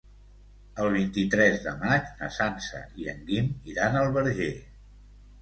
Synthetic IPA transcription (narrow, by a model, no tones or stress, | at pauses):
əlˠβ̞int̪it̪ɾɛzðəmat͡ʃnə̰sansə̰ʔiəŋɡimiɾanəlˠβəɾʒe